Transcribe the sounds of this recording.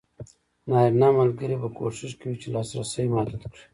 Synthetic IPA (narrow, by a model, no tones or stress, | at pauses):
nɑːiɾnɑːmalɡəɾibako̰ʃɪʃkawit͡ʃelɑsɾasəjmad̪ud̪kɽi̥